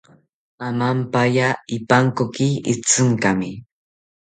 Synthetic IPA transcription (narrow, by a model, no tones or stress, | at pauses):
amampajaɪpaŋkokɪɪt͡sɨŋkamɪ